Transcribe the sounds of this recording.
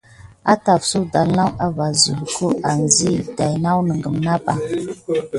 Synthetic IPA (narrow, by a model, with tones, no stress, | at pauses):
a˦ta˨fsu˦da˨lna˦wa˨va˨zṵ˨lkʰo˦ʔa˨n˨zi˦˨da˨jna˦wnə˨ŋɡə˨mna˦ba˨